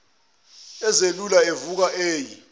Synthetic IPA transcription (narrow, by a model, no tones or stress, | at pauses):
ɛzelulaevuk̬aʔeːji